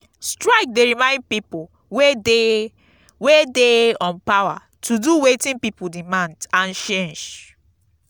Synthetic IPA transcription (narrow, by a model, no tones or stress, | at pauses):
stɹaɪk̚deɹimãɪ̃nd̚pipu | we | wedeɔ̃npawa̰ | tʰuduwetĩnpipudimãndãnt͡ʃẽnd͡ʒ